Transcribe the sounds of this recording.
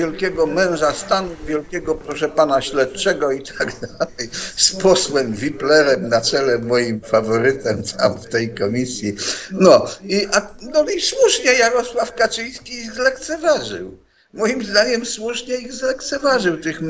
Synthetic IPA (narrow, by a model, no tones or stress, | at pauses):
ɛlkʲɛɡɔmɛ̃w̃ʐast̪anuvʲjɛlkʲɛɡɔpɾɔʂɛpanaɕlɛt̪̚t͡ʂɛɡɔit̪ʰaɡd̪alɛjspɔswɛmvʲiplɛɾɛmnat̪sɛlɛmːɔjimfavɔɾɘt̪ɛmt̪ʰa̰mft̪ɛjkɔmʲisʲjinɔiʔanɔiswuʂɲɛjaɾɔswafkat͡ʂɪj̃skʲiiɣzlɛkt̪sɛvaʐɘ̰w | mɔjimzd̪aɲɛmswuʂɲɛiɣzlɛkt̪sɛvaʐɘwt̪ɘxm